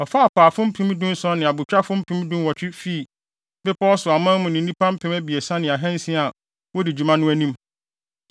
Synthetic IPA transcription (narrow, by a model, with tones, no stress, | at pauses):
ɔ˨fa˦a˨pʰaː˨fʊ̃˦m̩˦pʰĩ˦m˦dũ˦n̩˦sɔ˦nɪ̃˨a˨bʊ˨t͡ɕᶣa˦fʊ̃˦m̩˦pʰĩ˦m˦dũ˦wɔ˨t͡ɕᶣɪ˦fi˦˨ | bɪ˦pʰɔ˦ɔ˦sʊ˨a˨mã˦mʊ̃˨nɪ̃˨˦ĩ˦pʰã˦m̩˦pʰɛ̃˦mæ˦bi˨e˨sã˦nɪ̃˨a˨ɦɛ̃˦n̩˦sĩ˦a˨ | wɔ˦dɪ˨d͡ʑᶣu˨mã˦nʊ̃˦æ˦nĩ˦m